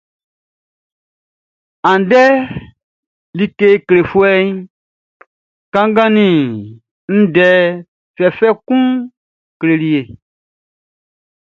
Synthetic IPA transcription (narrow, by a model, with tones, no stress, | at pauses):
ã˨n˨dɛ˦ | li˨ke˨kle˨fu˦ɛ˦ɲ˦ | kã˦ŋ˦ɡã˦nĩ˨ | n̩˦dɛ˨ | fɛ˨fɛ˦kũ˦ | kle˨li˨e˨